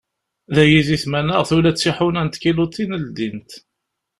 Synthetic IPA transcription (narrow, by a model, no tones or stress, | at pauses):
ðæjiziθmænəʁθulæt͡sːiħunænt̪kilut̪ʰːinəld̪int̪